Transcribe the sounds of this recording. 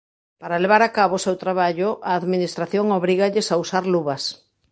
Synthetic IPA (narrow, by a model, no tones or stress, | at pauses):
paɾaleβ̞aɾakaβoːsewt̪ɾaβaʎʊʔaːðminist̪ɾaθjoŋoβɾiɣaʎɪsausaɾluβɐs